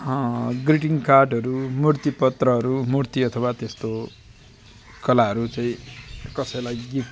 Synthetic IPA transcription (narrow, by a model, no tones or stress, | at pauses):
ɡriʈiŋkarɖʌɾumurt̪ipʌt̪rʌɦʌɾumurt̪iʌt̪ʰʌwat̪est̪o | kʌlaɦʌɾut͡saĩkʌsʌjlajɡip